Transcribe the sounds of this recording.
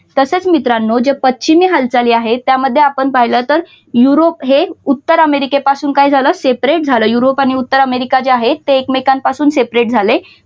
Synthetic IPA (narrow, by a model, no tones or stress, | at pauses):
t̪əset͡smit̪ɾanːod͡ʑepətːɕimiːɦalt͡saliːaɦet̪jaməd̪ʱːjeapəɳpaɦjləːt̪əɾ | juɾopɦeut̪ːəɾəmeɾikepasuːnkaid͡zʱaləːsepɾeʈ̚d͡zʱaləːjuɾopaɽ̃iut̪ːəɾəmeɾikat͡ɕeaɦet̪ːeːkmekãnpasuːnsepɾeʈ̚d͡zʱale